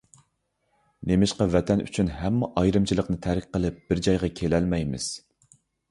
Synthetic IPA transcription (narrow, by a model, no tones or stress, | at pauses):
nemɪʃqɑvɛt̪ʰɛny̰t͡ʃʰynɦɛmːɛʔɑjɾɨmt͡ʃʰilˠəqnɨt̪ʰæɾɪk̚ʲqəlˠɨp̚b̥ɪɾd͡ʒɑjʁɑkʲʰelɛlmɛjmɪ̰z̥